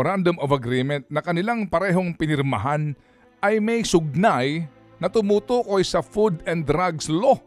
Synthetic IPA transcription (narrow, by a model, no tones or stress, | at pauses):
oɾand̪omɐvɐɡɾimɛnt̪̚nɐkɐnɪlaŋpɐɾɛːɦo̞ŋpɪnɪɾmɐɦan | ʔɐjmɐjsʊɡ̚naj | nɐt̪ʊmuːt̪uːko̞jsɐfud̪ɛnd̪d̪ɾaɡslo